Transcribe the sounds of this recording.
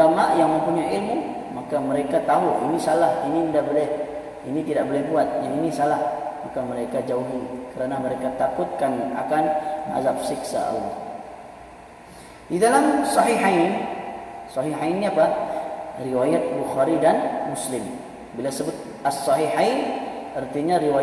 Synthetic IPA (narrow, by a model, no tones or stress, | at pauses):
amaʔjaŋməmpuɲaʔɪlmu | makaməɾekat̪aɦuʔinisalahiniəndahbolɛh | init̪idaʔbolɛhbuat̪̚jaŋinisalahmakaməɾekad͡ʒauɦikəɾanaməɾekat̪akʊt̪̚kana̰kanʔa̰zap̚sɪksa̰a̰lːɔh | didalamsɑɦiɦain | sɑɦiɦainːiapa | riwajat̪̚buxaɾidanmʊslɪm | bilasəbʊt̪̚ | asːɑɦiɦainərt̪iɲaɾiwa